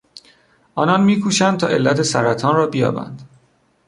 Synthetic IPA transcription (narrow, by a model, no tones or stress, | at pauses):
ʔɒːnɒnmiːkʰuːʃænd̪t̪ʰɒ̰ːʔe̞lːæt̪ʰesæɾæt̪ʰɒːnrɒːbijɒ̰ːbæ̰nd̪̥